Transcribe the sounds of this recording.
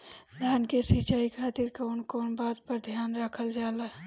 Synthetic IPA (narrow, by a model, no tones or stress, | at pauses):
d̪ʱaːnkesit͡ʃaːikʰaːt̪iɾkaːnkoːnbaːt̪̚pəɾd̪ʱjaːnɾəkʰəld͡ʒaːla